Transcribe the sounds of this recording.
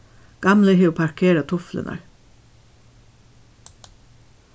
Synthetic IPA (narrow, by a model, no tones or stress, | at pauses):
ɡ̥ɑmləheːuːpʰɑɹkʰeːɾɑt̪ʰʊflə̰nɑ̰ɹ